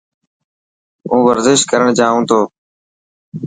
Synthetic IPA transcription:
ũːʋəɾzɪʃt̪kəɾəɳ̃d͡ʒaːũːt̪ʰoː

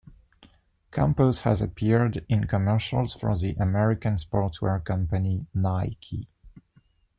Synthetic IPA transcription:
kʰæ̃mpəshə̰zə̰pʰiɹdɪ̃nkʰəmɜ˞ʃə̰lˠz̥fɔ̰ðiʔəmɛɹɪkə̃nspɔɹtwɛɹkʰʌ̃mpəninaɪkʰḭ

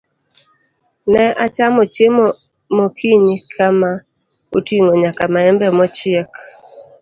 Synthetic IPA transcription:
nɛʔat͡ʃamɔt͡ʃemɔ | mɔkʰiɲkʰama | otiŋoɲakamaɛmbɛmɔt͡ʃɪɛk

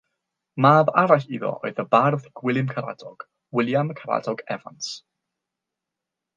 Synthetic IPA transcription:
maːbaɾaɬiðɔ̰ʔo̰ɨðəbarðɡ̥wɪlˠɨmkʰaɾa̰dɔɡ̥ | wɪlˠjaməkʰaɾa̰dɔɡɛva̰ns

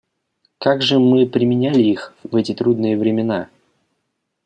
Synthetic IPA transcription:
kaɡʐɨmɨpɾʲɪmʲɪnʲælʲɪixvɛtʲɪt̪ɾud̪nɨjəvɾʲɪmʲɪna

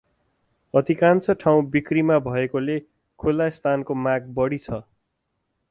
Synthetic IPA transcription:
ʌd̪ʱikant͡sʌʈʰaw̃bikrimabʱʌekole | kʰolːast̪ʰankomaɡ̚bʌɽit͡sʰʌ

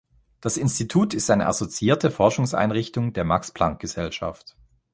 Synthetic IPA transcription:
d̥asɪnstitʰuːtɪstʔaɪnə̰ʔa̰zot͡siiːɐtʰəfɔɐʃʊŋsʔa̰ɪnʁɪçtʊŋdeːɐmakspl̥aŋk̚ɡ̥əz̥ɛlʃa̰ft

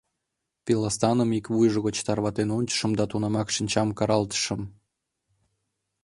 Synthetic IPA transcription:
pilɑst̪ɑnəmikβujʒəɣot͡ɕt̪ɑrβɑt̪enonʲt͡ɕə̥ʃə̆md̪ɑt̪unɑmɑkʃinʲt͡ɕɑmkɑɾɑlt̪ə̥ʃə̆m

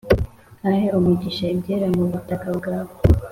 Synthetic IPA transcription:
aheumiɟiʃaibɟeːɾamuβutakabɡaːβo

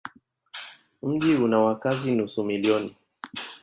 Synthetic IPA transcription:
m̩ʄiunawakazinusumiliɔni

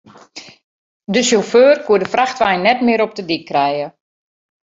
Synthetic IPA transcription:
dəsoføːrkʰuədəfraxtʋɛjnːɛtmɪəɾɔp̚dədikʰːrɛjə

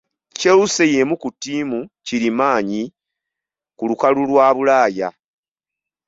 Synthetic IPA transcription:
ceuse̞je̞mukutːiːmuciɾimaːɲi | kulukalulwaːβulaːja

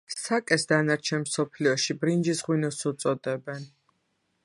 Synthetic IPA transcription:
sakʼɛsd̪anaɾt͡ʃʰɛnmsɔpʰliɔʃibɾind͡ʒisʁwinɔsut̪sʼɔd̪ɛbɛn

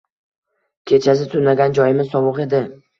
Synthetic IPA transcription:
kʲʰe̞t͡ʃʰas̬ɪt̪ʰʊnaɡʲand͡ʒɒjɪmɪzsɒmʊqe̞d̪ɪ

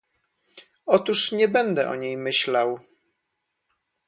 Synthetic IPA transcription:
ɔt̪uʂɲɛbɛnd̪ɛʔɔ̰ɲejmɘɕlaw

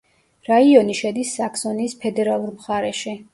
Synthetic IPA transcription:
ɾaiɔniʃɛd̪isːaksɔniːspʰɛd̪ɛɾalˠuɾmχaɾɛʃi

